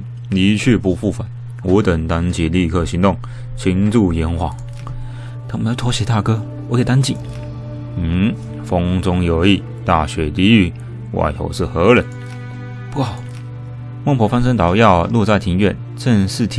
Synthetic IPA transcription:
li˧˥t͡ɕʰy˥˧pu˧˩fu˥˩fa˨˩n | wɔ˧˥t̪ə˨˩ŋt̪a˥nt͡ɕi˨˩li˥˧˩kʰɤ˥˩ɕi˧˥ŋt̪ʊ˥˨ŋ | t͡ɕʰi˧˥ŋt͡su˥˩jɛ˧˥nxwɑ˨˩ŋ | t̪ə˨˩ŋm˧˥jo˧˩t̪ʰo˧˥ɕɛ˨˥˦t̪a˥˩kɤ˥ | wɔ˧˥kʰt̪a˥nt͡ɕi˨˩n̩˨˩ | fʊ˥ŋt͡sʊ˥ŋjo˨˩ʊi˥˧˩ | t̪a˥˩ɕɥɛ˧˥t̪i˧˥y˧˩ | wʔa̰˧˩ɪjo̰˧˦ʊʂɻ̩˥˩xɤ˧˥lə˨˦n | pu˥˩xɑ˨˩˦ʊ | mə˥˩ŋpʰwɔ˧˥fa˥nʂ̬ə˥ŋt̪ɑ˨˥ʊjɑ˥˧ʊlu˥˧t͡sa˥˩ɪt̪ʰi˧˥ŋɥɛ˥˨n | ʈ͡ʂə˥˧ŋʂɻ̩˥˩t̪ʰ

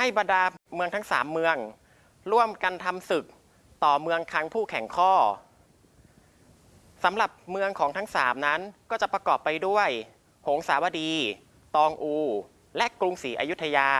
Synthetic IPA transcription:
ha˥˩jba˧ndaː˧mɯ˧əŋt̪ʰa˦˥ŋsaː˩˦mːɯ˧əŋ | ɾu˥˩əmka˧nt̪ʰa˧msɯ˨˩k̚ | t̪ɔː˨˩mɯ˧əŋk̪ʰa˦˥ŋpʰuː˥˩kʰɛ˨˩ŋkʰɔː˥˩ | sa˩˦mɾa˨˩p̚mɯ˧əŋkʰɔː˩˦ŋt̪ʰa˦˥ŋsa̰ː˩˦mna˦˥nkɔː˥˩t͡ɕa˨˩pɾa˧kɔː˨˩pːa˧jdu˥˩əj | ho˩˦ŋsaː˩˦wa˧diː˧ | t̪ɔː˧ŋʔuː˧ | lɛ˦˥ʔkɾu˧ŋsiː˩˦˥ʔa˧ju˦˥t̪ʰːa˧jaː˧

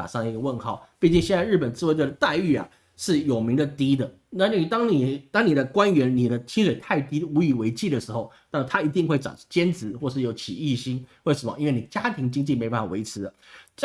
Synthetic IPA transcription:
a̰˨˩ʂɑ˥˩ŋə˩i˧˥ɡə˧wə˥˧nxɑ˥˩ʊpi˥˧t͡ɕi˥˧ŋɕjɛ˥˧nt͡sa˥˧ɻ̩˥˩pə˨˩nt͡sɹ̩˥˧we˥ɪʈ͡ʂd̪ə˩t̪a˥˧ɪy˥˩a̰˨˩ | ʂɻ̩˥˩jo˨˩ʊmi˧˥ŋd̪ə˧t̪i˥d̪ə˨ | na˥˩n˥˩t̪ɑ˥ŋni˨˩t̪ɑ˥ŋni˨˩d̪ə˦kwa˥nɥɛ˧˥nni˨˩d̪ə˦t͡ɕʰi˥ʂwe˨˩ɪt̪ʰa˥˩ɪt̪i˥u˧˥i˨˩we˧˥ɪt͡ɕʰi˥˩də˩ʂɻ̩˧˥xo˥˩ʊna˥˩t̪ʰa˥i˧˥t̪i˥˧ŋxwe˥˩ɪʈ͡ʂɑ̰˨˩˥t͡ɕjɛ˥nt͡sɹ̩˧˥xwɔ˥˧ʂɻ̩˥˩jo˧˥ʊt͡ɕʰi˨˩i˥˩ɕi˥ŋwe˥˩ɪʂə˧˥nmə̰˦i˥nwe˥˩ni˨˩ə˩t͡ɕja˥t̪ʰi˧˥ŋt͡ɕi˥ŋt͡ɕi˥˩me˧˥ɪ˧˩ba˥˩a˨˩we˧˥ɪʈ͡ʂʰɻ̩˧˥d̪ə˧ʈ͡ʂ

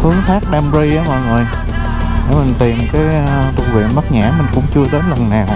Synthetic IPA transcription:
ʔɨ˨˦ŋt̪ʰaː˦˥k̚ɗaː˧mzi˧ʔaː˨˦ma̰˧˩ŋzo˨˩j | e˧˦mï˨˩ŋ̟t̪i˨˩əmkaː˨˦j | t̪ʰu˧vḛ˧˨mə˦˥t̚ɲa̰ː˧˥mï˨˩ŋ̟kʊ̰˧˥ŋ͡mt͡ɕɨ˧əɗe˨˦nlə˨˩nːaː˨˩w

